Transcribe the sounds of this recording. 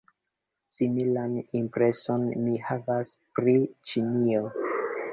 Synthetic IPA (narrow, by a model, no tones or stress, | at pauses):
similanimpɾe̞so̞nmihavaspɾit͡ʃinio